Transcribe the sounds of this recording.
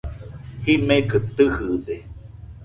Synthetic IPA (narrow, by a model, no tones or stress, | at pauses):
himekɨt̪ɨhɨðe